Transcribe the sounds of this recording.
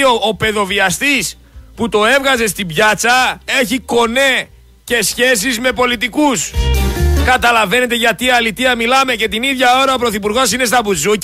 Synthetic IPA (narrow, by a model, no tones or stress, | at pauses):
oːpe̞ðo̞viɐst̪is | put̪o̞e̞vɣɐze̞s̬t̪ibʝɐt͡sɐe̞çiko̞ne̞ | ce̞sçe̞s̬izme̞po̞lit̪ikus | kɐt̪ɐlɐve̞ne̞t̪e̞ʝɐt̪iːɐlit̪iɐmilɐme̞ce̞t̪iniðʝɐo̞ɾɐopɾo̞θipuɾɣosine̞st̪ɐbuzu